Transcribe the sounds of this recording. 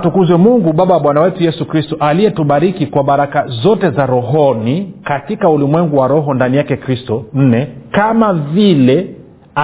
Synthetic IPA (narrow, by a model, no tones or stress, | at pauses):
tukuzwɛmuŋɡuɓaɓawaɓwanawɛtujɛsukɾistɔʔalijɛtuɓaɾikikwaɓaɾakazɔtɛzaɾɔɦɔnikatikaulimwɛŋɡuwaɾɔɦɔndanijakɛkɾistɔn̩nɛkamavilɛ | a